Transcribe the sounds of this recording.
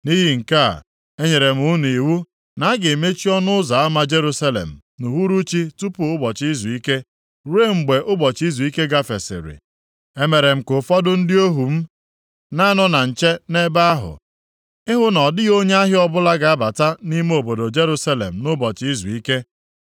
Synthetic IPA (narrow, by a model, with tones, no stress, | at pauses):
ni˦ɦi˦ŋ̩˨ka̰˦˨ | e˦ɲe˨ɾe˨m̩˦ʊ˦n˨i˨wu˦ | na˨˦ɡɪ˨e˨me˦t͡ʃi˦ɔ˦nʊ˦ʊ˦za˨a˦ma˦d͡ʒe˦ɾu˦sa˦lḛ˨m̩˨ | nu˨ɦu˦ɾu˦t͡ʃi˦tu˦pʊ˨ʊ˦bɔ˨t͡ʃi˦zu˨i˦ke˦ | ɾe˦˨ŋ͡m̩˨ɡ͡be˨ʔʊ˦bɔ˨t͡ʃi˦zu˨i˦ke˦ɡa˦fe˨sɪ̰˨ɾɪ̰˨ | e˦me˨ɾe˨m̩˨kʊ˨fɔ˦dʊ˦n̩˦dɪ˦o˦ɦu˨m̩˦ | na˦nɔ˦na˨n̩˨t͡ʃe˦ne˦ba˦a˦ɦʊ̰˨ | ɪ˦ɦʊ˦nɔ˨dɪ˦ɣo˦ɲe˦a˦ɦɪ˦ɔ˦bʊ˦la˦ɡa˨a˦ba˨ta˦ni˦m˦o˨bo˨do˨d͡ʒe˦ɾu˦sa˦lḛ˨m̩˨nʊ˦bɔ˨t͡ʃi˦zṵ˨i˦ke˦